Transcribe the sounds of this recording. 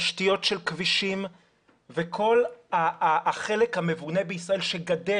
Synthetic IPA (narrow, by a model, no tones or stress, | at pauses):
ʃtijo̞tʃelkviʃim | vekʰo̞laχe̞lekhame̞vunebeisʁae̞lʃe̞ɡade